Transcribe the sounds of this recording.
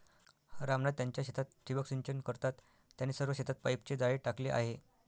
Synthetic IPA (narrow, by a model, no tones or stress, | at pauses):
ɾamnad̪jaɲt͡ɕjaɕet̪ʰat̪ːɾiʋəksiɲt͡ɕənkəɾt̪at̪ː | janeːsəɾʋəɕet̪ʰat̪̚pajpt͡ɕed͡zaɭeʈakleʔa̰ɦe